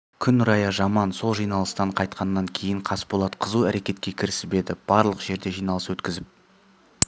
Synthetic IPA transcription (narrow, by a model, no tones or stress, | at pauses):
kʲʰʏnʊɾɑjɑʒɑmɑnso̞lˠʒijnɑlˠəst̪ɑɴqʰɑjt̪̚qɑnːɑŋkʲʰe̞jɪɴqʰɑspbo̞lˠɑd̪əqʰəzuæɾe̞kʲe̞t̪kʲe̞kʲʰɪɾɪsɪbe̞d̪ɪb̥ɑɾlˠəqʒ̥e̞ɾd̪e̞ʒijnɑlˠəswɵt̪kʲɪzɪp̚